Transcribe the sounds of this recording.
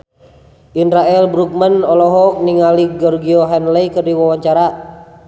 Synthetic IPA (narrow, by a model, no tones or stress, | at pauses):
ʔinɾaɛlbɾuk̚mənɔlɔɦɔk̚niŋaliɡɔrɡiɔɦɛnləikərdiwawaɲt͡ʃaɾa